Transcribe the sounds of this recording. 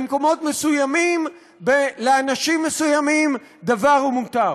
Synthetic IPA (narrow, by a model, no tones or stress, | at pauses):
mko̞mo̞tmesujamim | beleanaʃimːesujamim | d̪avaʁumut̪aʁ